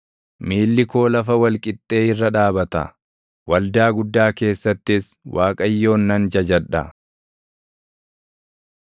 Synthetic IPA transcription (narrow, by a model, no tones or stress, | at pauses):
miːlːɪko̞ːlɐfɐwɐlkʼɪt̪ʼːe̞ːɪrːɐᶑaːbɐt̪ɐ̰ | wɐld̪aːɡʊd̪ːaːke̞ːsːɐt̪ːɪswʔaːkʼɐjːo̞ːnːɐnd͡ʒɐd͡ʒɐᶑɐ̰